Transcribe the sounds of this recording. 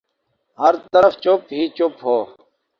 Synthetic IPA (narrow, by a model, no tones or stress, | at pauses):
həɾt̪əɾəft͡ɕopɦiːt͡ɕupɦoː